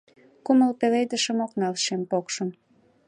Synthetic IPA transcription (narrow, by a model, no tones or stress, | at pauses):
kuməlpeled̪əʃə̆moknɑlʃempokʃəm